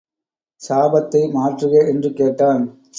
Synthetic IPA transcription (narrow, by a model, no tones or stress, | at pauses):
saːbɐt̪ːɐɪmaːʈrɯɣɐʔɛndrɯkeːʈːaːn